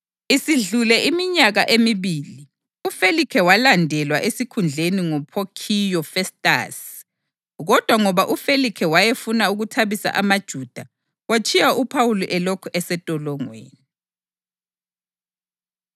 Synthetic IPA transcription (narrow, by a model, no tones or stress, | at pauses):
isiɮulɛʔimiɲaɣaʔemiβiːli | ufelikʰɛwalandʱɛlwaʔesikʰund͡ɮʱeniŋɔpʰokʰijɔfɛstʼa̰s | ɣɔd̥ʱwaŋɔβaʔufelikʰɛwajefunauɣutʰaβisa̰ʔamad̥ʒ̥ʱuːd̥ʱa | wat͡ʃʰʼijaupʰawuluʔɛlɔkʰɔʔɛsɛtʼɔlɔŋwḛːni